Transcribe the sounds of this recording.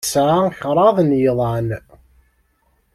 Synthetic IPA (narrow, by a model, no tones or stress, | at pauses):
sʕaçɾˤɑðˤnjðˤɑn